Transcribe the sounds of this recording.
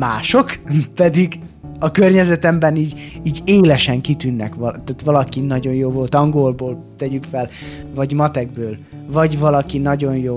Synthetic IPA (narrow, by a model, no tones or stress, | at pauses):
maːʃo̞kpɛd̪iɡ | ɒkørɲɛzɛt̪ɛmbɛniːɟiːɟeːlɛʃɛŋkit̪ynːɛ̰kʋɒt̪at̪ʋɒlɒkinɒɟo̞njoːvo̞lt̪ɒŋɡolboːl | t̪ɛɟykfɛl | vɒɟmɒt̪ɛɡ̚bøːl | vɒɟvɒlɒkinɒɟo̞njoː